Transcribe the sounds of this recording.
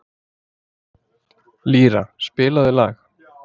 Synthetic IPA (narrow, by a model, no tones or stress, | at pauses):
liːɾa̰spɪːlaðɪla̰ːx